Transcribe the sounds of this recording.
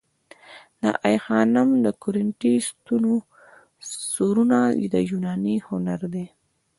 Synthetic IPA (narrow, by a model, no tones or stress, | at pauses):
d̪a̰ʔajxɑnʊmd̪əkʊɾɪɳʈist̪uno | soɾunad̪əjunɑnihʊnaɾd̪e